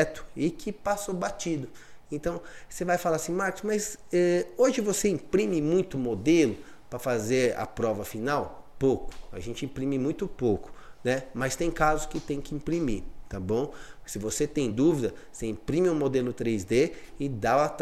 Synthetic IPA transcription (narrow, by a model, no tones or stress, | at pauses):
t̪ʊ̥ɪkʰɪpasobat͡ʃid̪ʊẽt̪ɐ̃w̃sevajfalaɾasĩmaɾkʊsmɐjzɛoʒɪvoseĩpɾĩmɪmũj̃t̪ʊmod̪elʊ | pɾɐfazeɾɐ̰pɾɔvɐfinaw | powkʊ̥a̰ʒẽnt͡ʃɪĩpɾĩmɪmũj̃t̪ʊpowkʊ̥nɛmɐst̪ẽj̃kazʊskɪt̪ẽj̃kɪĩpɾimiɾt̪abõw̃sɪvoset̪ẽj̃d̪uvid̪ɐ | seĩpɾĩmɪʊ̃mod̪elʊt̪ɾejzd̪eɪd̪aɐt̪